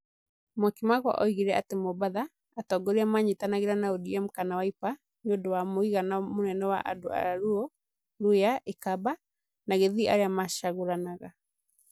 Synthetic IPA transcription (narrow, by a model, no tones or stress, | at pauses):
mwakimaɣwa̰ʔɔ̰iɣiɾɛʔa̰temɔbaðaː | tɔɡɔɾiamaɲetanaɣeɾanaodiam̩kanawaipa | ɲondɔwamoiɣanamonɛnɔwa̰ʔa̰do̰a̰ɾaɾuɔ | ɾujaʔekaba | naɣeðia̰ɾeamaʃaɣoɾanaɣa